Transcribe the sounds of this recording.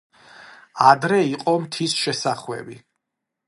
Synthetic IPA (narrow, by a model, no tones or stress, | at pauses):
ad̪ɾɛiqʼɔmt̪ʰisʃɛsaχwɛ̰bi